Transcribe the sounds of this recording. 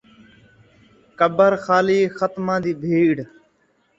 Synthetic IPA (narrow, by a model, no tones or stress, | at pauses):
kəbəɾxaːliːxət̪mãːd̪iːbʱiːɽ